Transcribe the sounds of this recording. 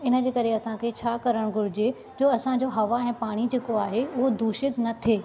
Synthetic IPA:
ɪnə̆d͡ʑeːkɐɾeɐsãkʰet͡ɕʰaːkɐɾəɽ̃ɡʱʊɽɪd͡ʑe | d͡ʑoːɐsãd͡ʑoɦɐʋaɛ̃ːpaːɽ̃id͡ʑeːkoaːɦeʊɦod̪ʱuːʃɪk̪nɐt̪ʰeː

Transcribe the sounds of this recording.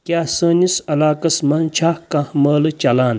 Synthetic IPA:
kʲaːsəːnisɐlaːkɐsmɐnt͡ʃʰaːkɐhmɐːlt͡ʃɐlaːn

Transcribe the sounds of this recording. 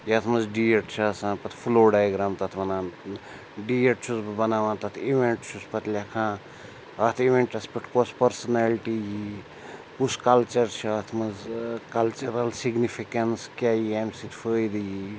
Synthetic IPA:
jɐt̪ʰmɐzɖieʈt͡ʃʰaːsãːpɐt̪ʰfʰuloːɖajɡɾaːmt̪ɐt̪ʰbɐnãːn | ɖieʈt͡ʃʰusbɐnaːʋãːt̪ɐt̪ʰiʋeɳʈt͡ʃʰuspɐt̪lʲakʰãː | ɐt̪ʰiʋẽɳʈɐspɐʈʰkoːspɐɾsɐnalʈiji | kuskɐlt͡ʃɐɾt͡ʃʰat̪ʰmɐzkɐlt͡ʃɐɾɐlsiɡnifʰikɐnskʲaːjiemsit̪fəːjd̪ji

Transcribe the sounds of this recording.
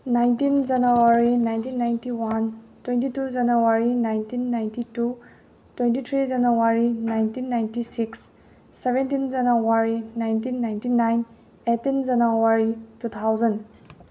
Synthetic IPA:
najntind͡ʒɐnuwaɾinajntinːajntiwantwentitud͡ʒɐnuwaɾinajntinːajntitu | twentitʰɾid͡ʒɐnowaɾinajntinːajntisiksː | ebʱentind͡ʒɐnowaɾinajntinːajntinajn | etind͡ʒɐnowaɾitut̪ʰawzɐn

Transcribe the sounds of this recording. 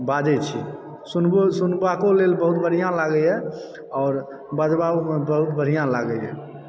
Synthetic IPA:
bad͡ʒɛt͡ʃʰḭ | sunbsunbakolelbəɦut̪̚bəɽ̤ijãlaɡəɛ | ɔːɾ | bad͡ʒbabmebəɦut̪bʱəɽ̤ijãlaɡəjɦɛ̰

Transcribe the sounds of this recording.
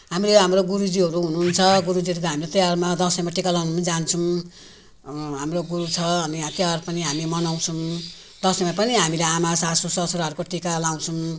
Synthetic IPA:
ɦamileɦamroɡuɾud͡ziɦʌɾuɦunuːnt͡sʰʌɡuɾud͡ziɦʌɾukoɦamilet̪ʌjarmad̪ʌsʌjmaʈikalawnumad͡zant͡sʰũ | ɦamroɡuɾut͡sʰʌːniat̪jarpʌniɦamimʌnaw̃t͡sʰum | d̪ʌsʌjmapʌniɦamileamasasosʌsoɾɦʌɾukoʈikalaw̃t͡sʰum

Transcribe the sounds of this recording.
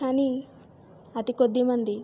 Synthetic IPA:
aːni | ɐt̪ikod̪ːimɐnd̪i

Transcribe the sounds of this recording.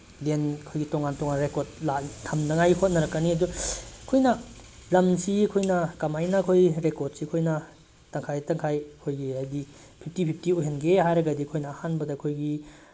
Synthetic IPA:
lenɐkʰojɡitoŋantoŋanɾekoɾt̚latʰːɐmnɐŋajhot̚nɐɾɐkːɐniɐduɐkʰojnɐ | lɐmsiɐkʰojnɐkɐmajnɐɐkʰojɾekoɾd̚sikʰojnɐ | tɐŋkʰajtɐŋkʰajɐkʰojɡihajdi | pʰip̚tipʰip̚ʰtioɦenɡehajɾɐɡɐdikʰojnɐːhanbɐdɐkʰojɡi

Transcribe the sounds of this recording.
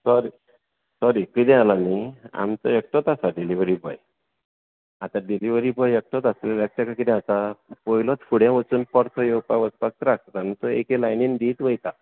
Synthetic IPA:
sɔɾi | sɔɾikid̪ɛ̃lamia̰mt͡sɔ̰ek̚ʈɔt̪asaɖiliʋɾibɔ̰j | at̪aɖiliʋəɾibɔjek̚ʈɔt̪aselalek̚t͡ɕakakid̪ĩat̪apɔjlɔt̪fʰuɽjãʋət͡suːnpɔɽt̪ʰɔjopaʋət͡s̪pak̚t̪ɾak̚ʰt̪at̪amint̪ɔekelajnind̪iːt̪ʋəjt̪a

